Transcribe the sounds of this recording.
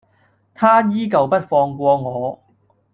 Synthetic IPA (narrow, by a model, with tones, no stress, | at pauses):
t̪ʰaː˥jiː˥kɐ˨˩wpɐ˥t̚fɔː˧ŋkʷɔː˧ŋɔː˨˧